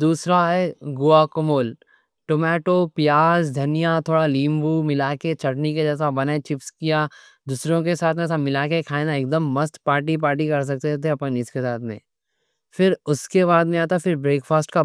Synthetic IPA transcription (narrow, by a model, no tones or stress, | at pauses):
d̪uːsɾaɦɛɡʊaːkʊmoːl | ʈoːmɛːʈoːpjaːzd̪ʱɐnijat̪ʰoːɽalĩːmbumɪlaːket͡ʃʰɐʈnik̬ed͡ʒɛːs̬abɐnat͡ʃɪpskijaː | d̪uːsɾõk̬esaːt̪ʰmẽsamɪlaːkekʰaːenaeːkd̪əmːɐst̪paːɾʈip̬aːɾʈ̬ikɐɾs̬ɐk̚t̪et̪ʰeɐpenɪskesaːt̪ʰmḛ̃ː | fɪɾʊskeβaːd̪mẽaːt̪afɪɾbɾeːkfʰaːsʈka